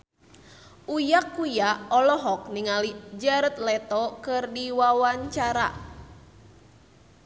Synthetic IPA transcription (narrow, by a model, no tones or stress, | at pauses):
ʔujakːujaɔlɔɦɔk̚niŋalid͡ʒaɾət̪̚lɛt̪ɔkɨrdiwawaɲt͡ʃaɾa̰